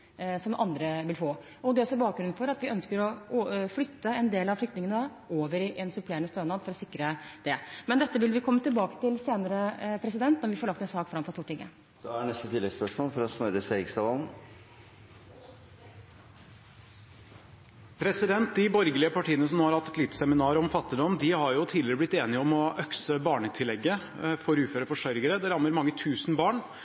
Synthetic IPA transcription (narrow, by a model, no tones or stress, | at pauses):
sɔmʔɑ̰nd̪ɾəʋɪlfoː | ɔd̪ɛɾɔsɔbɑːkɡɾʉnfɔɾɑt̪ʋɪœnskəɾɔflʏt̪ːəɛnd̪eːlɑʋflʏkt̪nɪŋənə | oːʋəɾɪʔɛnsʉpʰleːɳəst̪øːnɑːd̪fɔɾɔsɪkːɾəd̪̥ɛmɛnd̪ɛt̪ːəʋɪlʋɪkʰɔmːət̪ʰɪlbɑːkə̥t̪ɪlseːnəɾəpʰɾɛsɪd̪ɛnt̪nɔɾʋɪfoɔɾɭɑkt̪ɛnsɑːkfɾɑmfɔɾst̪uːʈːɪŋːə̰ | d̪̥ɛæɳɛst̪ət̪ʰɪlɛspœʂmoːlfɔɾɔsmœɾəsɛɡst̪ɑʋɑln̩ | pʰɾɛsɪd̪ɛnt̪̚d̪ɪbɔɾɡəlɪəpɑʈʰiːənəs̬ɔmhɑɾhɑt̪ːɛt̪lɪt̪sɛmɪnɑːɾɔmfɑt̪ːɪd̪ɔmd̪ɪhɑɾjʊt̪ʰiːd̪lɪɾəblɪt̪ːeːnɪəɔmɔʔœksəbɑːɳət̪ʰɪlːɛɡːə | fɔɾʉːføːɾəfɔʂœɾɡəɾəd̪ɛɾɑmːəɾmɑŋːət̪ʰʉːsn̩bɑːɳ